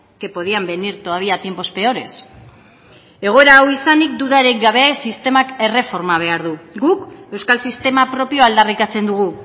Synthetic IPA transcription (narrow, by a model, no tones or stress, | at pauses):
ke̞po̞ðiambe̞niɾt̪oaβiat̪je̞mpo̞spe̞o̞ɾe̞s | e̞ɣ̞o̞eɾaːwisanik̚d̪uðaɾek̚ɡaβ̞e̞sist̪e̞make̞re̞fo̞ɾmaβ̞e̞aɾðuɡuke̞wskalsist̪e̞mapɾo̞pio̞ald̪arikat͡se̞nd̪uɣ̞u